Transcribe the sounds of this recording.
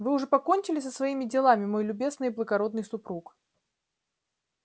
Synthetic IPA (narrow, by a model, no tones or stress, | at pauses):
vɨʊʐɛpɐko̞nʲt͡ɕɪlʲɪsəsvɐimʲɪdʲɪlˠamʲɪmo̞jlʲʊbʲe̞znɨjblˠəɡɐɾo̞d̪nɨjsʊpɾuk